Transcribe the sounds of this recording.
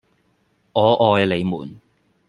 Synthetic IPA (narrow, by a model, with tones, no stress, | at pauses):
ŋɔː˨˧ʔɔː˧jle˨˧jmṵː˨˩n